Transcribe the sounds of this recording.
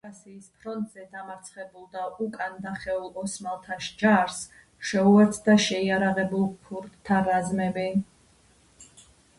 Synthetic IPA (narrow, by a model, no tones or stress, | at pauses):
asiːspʰɾɔnt̪ʼz̥ɛd̪amaɾt̪sʰχɛbulˠd̪aʔukʼand̪aχɛulˠɔsmalˠt̪ʰaʃd͡ʒaɾs | ʃɛuɛt̪sʰd̪aʃɛiaɾaʁɛbulˠpʰuɾd̪t̪ʰːaɾazmɛbɛ